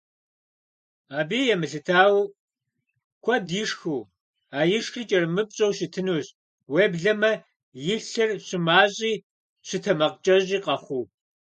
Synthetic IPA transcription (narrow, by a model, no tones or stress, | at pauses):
aːbiːjɛmɨɬɨtʰaːw | kʷʰɔdiːʂxuː | aːjɪʂxɨt͡ʃʼɐrmɨp̚ɕʼowʃɪtʰɨnuːɕ | weːbɮɐmɐ | jɪɬɨrɕɪmaːɕʼiː | ɕɪtʰɐmɐqt͡ʃʼɐʑʼiːqɐχʷuː